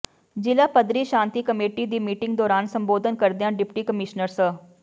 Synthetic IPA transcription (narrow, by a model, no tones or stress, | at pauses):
d͡ʒɪlaːpəd̪ɾiːʃãːnt̪iːkəmeːʈid̪iːmiːʈɪ̃ŋɡd̪ɔːɾaːnsə̃mboːd̪ʱənkəɾd̪ejãːɖɪpʈiːkəmɪʃnəɾsə